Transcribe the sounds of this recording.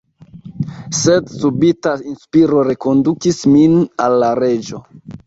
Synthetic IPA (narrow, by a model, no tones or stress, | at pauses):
se̞dsubitainspiɾo̞ɾe̞ko̞ndukisminalːaɾe̞d͡ʒo̞